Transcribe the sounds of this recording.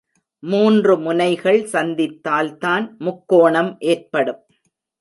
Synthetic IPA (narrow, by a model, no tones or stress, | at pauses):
muːndrɯmʊnɐɪɣɐɭsɐnd̪ɪt̪ːaːlt̪aːnmʊkːoːɳɐmʔeːrpɐɽɯm